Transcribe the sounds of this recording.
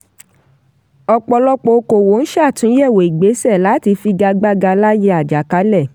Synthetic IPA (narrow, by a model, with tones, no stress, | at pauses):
ɔ˧k͡pɔ˧lɔ˦k͡po˧˦ko˨wo˨˦n̩˦ʃa˦˨tũ˨˦ɛ˦˨we˨i˨ɡ͡be˨˦sɛ˦˨la˨˦ti˧fi˧ɡa˧ɡ͡ba˧ɡa˧la˦je˧˦a˨d͡ʒa˨ka˨˦lɛ˦˨